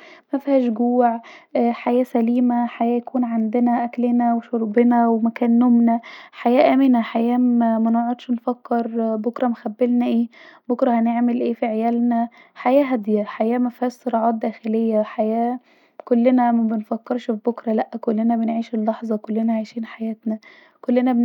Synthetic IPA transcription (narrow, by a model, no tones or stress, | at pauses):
mæfhæːʃɡuːʕʔħajæːsæliːmæħajæːjækuːnʕand̪enæʔæklenæweʃoɾˤbenæwemækæːnːomnæħajæːʔæːmenæħajæːæmænoʕod̪ʃnfækːeɾˤbokɾˤɑmxæbːelnæʔeːbokɾˤɑhæneʕmelʔeːfiʕejæːlnæħajæːɦæd̪jæħajæːmæfhæːsˤoɾˤɑːʕɑːt̪̚d̪æːxelejːæħajæː | kolːenæmæbenfækːeɾʃefbokɾˤɑlæʔːækolːenæbenʕiːʃelːɑħzˤɑkolːenæʕajʃiːnħajæːt̪næ | kolːenæb